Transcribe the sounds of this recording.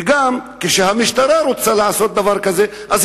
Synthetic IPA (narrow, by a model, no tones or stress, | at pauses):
ɡamkeʃehamiʃt̪aɾaɾut͡salaʕaso̞t̪̚d̪avaɾkaze | ʔaz